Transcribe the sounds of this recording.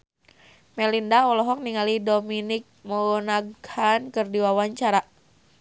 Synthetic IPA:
mɛlindaɔlɔɦɔk̚niŋalidominik̚məɡɔnaɡankɨrdiwawaɲt͡ʃaɾa

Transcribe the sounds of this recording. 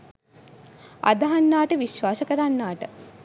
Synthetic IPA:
a̰d̪ɐɦanːaːʈəʋiʃʋaːsəkəɾanːaːʈə

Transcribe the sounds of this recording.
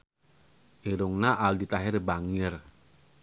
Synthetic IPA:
ʔiɾuŋnaʔaldit̪aɦɪɾbaŋɪr

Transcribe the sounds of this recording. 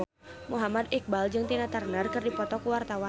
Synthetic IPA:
muɦamad̪ik̚bald͡ʒɨŋt̪inat̪arnərkɨrdipɔt̪ɔkuwart̪awa

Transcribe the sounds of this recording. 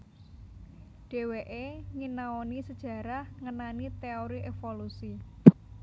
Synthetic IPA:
ɖ̥e̤weʔeŋinaonisəd̥ʒ̥ä̤ɾahŋənanit̪eoɾiʔefolusi

